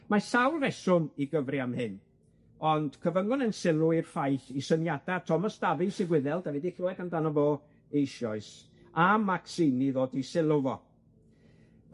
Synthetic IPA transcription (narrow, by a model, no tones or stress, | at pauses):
masawlˠrɛsʊmiɡəvrɪamhɨn | ɔnd̥kʰəvəŋʊnənsɪlˠʊirfajθisənjadatʰɔmɔsd̥avɪsɪɡwɪðɛlˠdavɛdiɬuɛdamdanɔvoː | ejʃɔɨs | amːaksɪniðoːdisɪlˠʊvɔ̰